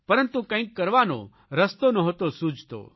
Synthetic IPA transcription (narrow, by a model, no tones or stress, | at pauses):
pɐɾənt̪ukə̃ĩkːɐɾʋanõ̰ | ɾəst̪onɐɦoːt̪osud͡ʒʱt̪o̰ː